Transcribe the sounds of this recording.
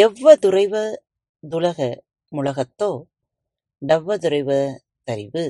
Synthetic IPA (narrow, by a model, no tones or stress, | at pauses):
ɛʋːɐðʊrɐɪʋɐ | d̪ʊlɐɣɐ | mʊɭɐɣɐt̪ːoː | ɖɐʋːɐðʊɾɐɪʋɐ | t̪ɐɾɪʋɯ